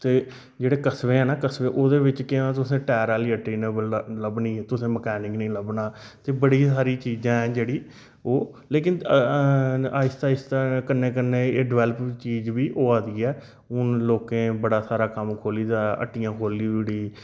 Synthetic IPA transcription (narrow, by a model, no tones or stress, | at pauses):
t̪eː | d͡ʒeːɽeːkəsʋẽːɛːnaːkəsʋẽːʔoːd̪eːʋɪt͡ʃkɪãːt̪ʊsẽːʈɛːɾaːliːəʈeːneːbəlləbnĩːt̪ʊsẽːməkɛːnɪ̃ŋɡnĩːləbnaː | t̪eːbəɽiːsaːɾiːt͡ʃiːd͡ʒãːɛ̃ːd͡ʒeːɽiː | oː | leːk̬ɪn | aːɪst̪aːɪst̪akənːẽːkənːeːeːɖɪʋɛːləpt͡ʃiːd͡ʒʋiːʔoːaːd̪iːɛː | ʊnloːkẽːbəɽaːsaːɾaːkəmkʰoːliːd̪aːə̰ʈːiːãːkʰoːliːʋiɽiː